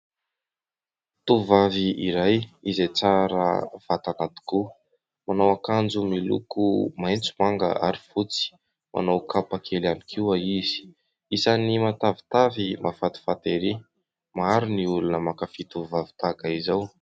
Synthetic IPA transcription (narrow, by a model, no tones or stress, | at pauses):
t̪uvaviiɾajizejt͡saɾə̰v̥at̪anat̪i̥ku | manawakand͡zumilṵkumajnt͡sumaŋɡa̰a̰ɾifut͡si̥ | mʔa̰nawkapakʰelanikʰiwaiz̥i̥ | isanimat̪avi̥t̪avimafat̪i̥fat̪eɾi | maɾiniulunəmakafit̪uvavi̥t̪aɡaizaw